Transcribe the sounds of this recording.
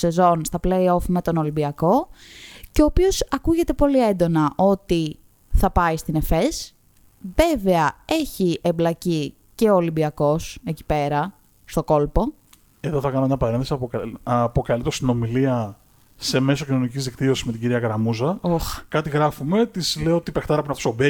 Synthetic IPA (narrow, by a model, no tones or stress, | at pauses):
se̞zo̞nst̪ɐpleio̞fme̞t̪o̞no̞limbiɐko̞ | ceoːpio̞sɐkuʝe̞t̪e̞po̞lie̞nd̪o̞nɐʔo̞t̪i | θɐpɐist̪ine̞fes | ve̞veɐe̞çiʔemblɐci | ce̞oːlimbiɐko̞se̞ci̥pe̞ɾɐ | st̪o̞ko̞lpo̞ | e̞ðoθɐkɐnoeɲɐpɐɾenθesiɐɐpo̞kɐlit̪eɾost̪ino̞miliɐ | se̞me̞so̞cino̞nicizðikt̪io̞sizme̞t̪iɟiɾiɐkɐɾɐmuzɐoxkɐt̪iɣɾɐfume̞t̪izleoot̪ipext̪ɐɾɐpinɐft̪osobe